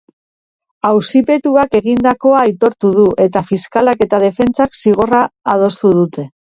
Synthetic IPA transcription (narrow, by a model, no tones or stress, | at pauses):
awsipe̞t̪uake̞ɣ̞ind̪ako̞ajt̪o̞ɾt̪uðuʔe̞t̪afiskalake̞t̪að̞e̞fe̞nt͡saksiɣ̞o̞raːð̞o̞st̪uð̞ut̪e̞